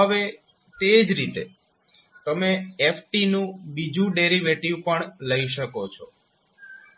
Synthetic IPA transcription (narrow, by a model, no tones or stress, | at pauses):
ɦəʋe | t̪ed͡ʒɾit̪e | t̪əmeefʰʈinũbid͡ʒũɖeɾiʋeʈiʋpəɳləiʃəkot͡ʃʰɔ